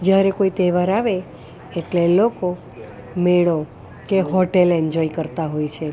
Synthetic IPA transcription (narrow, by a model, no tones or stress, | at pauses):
d͡ʒjaɾekoit̪eʋaɾaʋeː | ʈleloko | meɭo | keɦɔʈelɛɲd͡ʒɔikəɾt̪aɦojt͡ʃʰe